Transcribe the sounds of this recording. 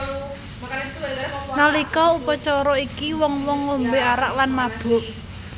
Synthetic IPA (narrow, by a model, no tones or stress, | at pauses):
nalikɔupɔt͡ʃɔɾɔikiwɔŋwɔŋːombeaɾaʔ̚lanmab̥ʊ̤ʔ